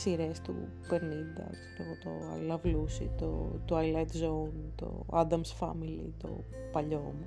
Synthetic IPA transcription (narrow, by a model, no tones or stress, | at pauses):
siɾe̞st̪ṵ | peɾnind̪ɐ̰ | t̪oot̪oɐ̰lɐvlusḭt̪ot̪oɐjlet̪zount̪o̰ad̪ɐmsfɐ̰milḭt̪o̞̰pɐʎomu